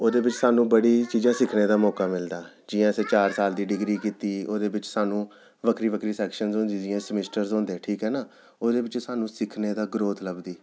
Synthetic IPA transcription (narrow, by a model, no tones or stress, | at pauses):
oːd̪eːbɪt͡ʃsaːnũːbəɽiːt͡ʃiːzãːsɪkʰneːd̪aːmɔːkaːmɪld̪aː | d͡ʒɪjãːəseːt͡ʃaːɾsaːld̪iːɖɪɡɾiːkiːt̪iːoːd̪eːbɪt͡ʃsaːnũː | ʋəkɾiːʋəkɾiːsɛːkʃənzɦõːnd̪iːd͡ʒɪjãsəmɪsʈəɾzɦõːnd̪eːʈʰiːkɦɛːnaː | oːd̪eːbɪt͡ʃsaːnũːsɪkʰneːd̪aːɡɾoːt̪ʰləbd̪iː